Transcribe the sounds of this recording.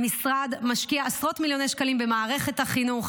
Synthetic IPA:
misʁad̪maʃkiaasʁo̞t̪miljo̞nejʃkalimbe̞maːʁe̞χe̞thaχinuχ

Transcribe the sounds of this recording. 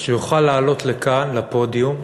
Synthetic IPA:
ʃejuχalːaːlo̞tlekanlapo̞dium

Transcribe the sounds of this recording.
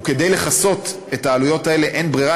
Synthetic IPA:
ke̞d̪e̞jle̞χaso̞t | etaːlujo̞tae̞le̞ʔenbʁiʁa

